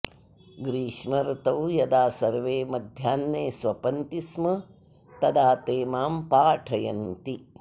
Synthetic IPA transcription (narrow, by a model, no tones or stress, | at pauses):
ɡɾiːʂmɐɾt̪ɐwjɐd̪aːsɐɾʋeːmɐd̪ʱjaːnːeːsʋɐpɐnt̪ismɐ | t̪ɐd̪aːt̪eːmaːmpaːʈʰɐjɐnt̪i